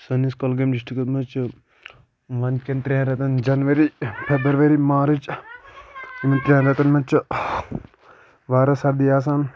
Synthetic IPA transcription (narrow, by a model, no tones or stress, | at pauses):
sɐniskolɡɐmd͡ʒiʂʈikɐt̪mɐt͡ʃ | ʋɐnkent̪ɾʲãːɾɐt̪ɐnd͡ʒɐnʋɐɾipʰɛbəɾʋɐɾimãːɾɨt͡ʃ | mint̪ɾʲjãːnɾɐt̪ɐnmɐt͡ʃ | ʋaːɾɐsɐɾd̪iaːs̬aːn